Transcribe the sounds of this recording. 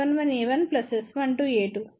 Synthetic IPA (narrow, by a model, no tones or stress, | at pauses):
ɐnʋɐneːʋɐnplɐsesʋɐɳʈueːʈu